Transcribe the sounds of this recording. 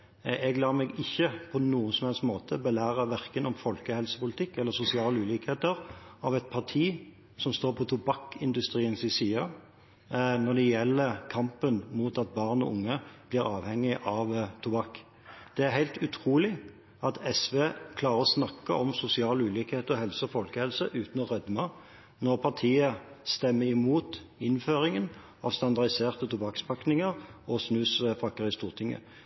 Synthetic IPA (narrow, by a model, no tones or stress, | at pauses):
ɛɡlɑːɾmɛɡɪçːəpʰɔnuːənsɔmhɛlsmoːt̪ʰəbɛlæːɾəʋæʁkənɔmfɔlkəhɛlsə̥pʊlɪt̪ʰɪkːɛlːəɾsʊsɪɑːləʉːliːkheːt̪əɾɑʋɛt̪̚pʰɑʁʈʰiː | sɔmst̪oːɾpʰɔt̪ʰʊbɑkːɪnd̪ʉst̪ɾiːənsɪsiːɑ | nɔd̪ɛjɛlːəkʰɑmpənmuːt̪ɑt̪̚bɑːʁnɔ̰ʔʊŋːəb̥liːʁɑːʋhɛŋːɪʔɑʋt̪ʰʊbɑkː | d̪̥ɛæɾhæɪlt̪ʉt̪ʰʁuːlɪ | ɑt̪ʰɛsʋeːkʰlɑːʁəɔsnɑkːəʔɔmsʊsɪɑːlʉːliːkheːt̪əɔɦɛlsəɔfɔlkəhɛlsəʔʉːt̪n̩ɔʁœd̪mɑ | nɔʁpʰɑʁt̪ʰiːə | st̪ɛmːəɪmuːt̪ɪnføːʁɪŋən | ɑʋst̪ɑnd̪ɑʁd̪ɪseːʁt̪ət̪ʰʊbɑkspʰɑknɪŋəʁɔsnʉːsfɑkːəʁɪst̪uːʁt̪ʰɪŋːə̰